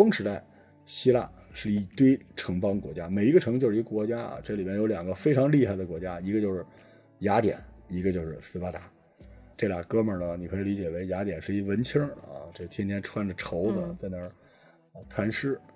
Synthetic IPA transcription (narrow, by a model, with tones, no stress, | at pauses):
fʊ˥ŋʂɻ̩˧˥t̪a˥˩ɪ | ɕi˥la̰˥˩ʂɻ̩˥˩i˧˩t̪we˥ɪʈ͡ʂʰɤ˧˥ŋpɑ˥ŋkwɔ̰˧˥t͡ɕja˥me˨˩ɪi˧˥ɡə˧ʈ͡ʂʰɤ˧˥ŋt͡ɕjo˥˧ʊʂɻ̩˥˧ɡə˧kwɔ˧˥t͡ɕja˥ɐ̰˩ʈ͡ʂɤ˥˩li˨˩bjɛ˥njo˧˥ʊljɑ˨˩ŋɡə˦fe˥ɪʈ͡ʂʰɑ˧˥ŋli˥˧xa˥˩ɪd̪ə˩kwɔ˧˥t͡ɕja˥i˧˥ɡə˧t͡ɕjo˥˧ʊʂɻ̩˥˩ | ja˧˥t̪jɛ̰˨˩˦ni˧˥ɡə˧t͡ɕjo˥˧ʊʂɻ̩˥˧˩sɹ̩˧˥fa˧˥t̪a˧˥˦ | ʈ͡ʂe˥˩la˨˩kɤ˥mə˞˨˩nə˩ni˨˩kʰɤ˧˥i˨˧˩li˧˥t͡ɕjɛ˨˩ʋe˧˥ɪja˧˥t̪jɛ˨˩nʂɻ̩˥˩i˧˥ʋə˧˥nt͡ɕʰə˥ŋɐ̰˧ʈ͡ʂɤ˥˩t̪ʰjɛ˥nt̪ʰjɛ˥nʈ͡ʂʰwa˥˩nʈ͡ʂə˩ʈ͡ʂʰo˧˥ʊd͡zə˧t͡sa˥˩ɪnə˧˥˧ | t̪ʰwa˧˥nʂɻ̩˥˩